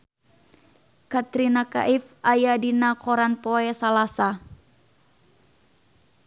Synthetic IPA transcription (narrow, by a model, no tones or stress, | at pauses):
kat̪ɾinaka̰ʔifajadinakʰɔɾanpɔɛsalasa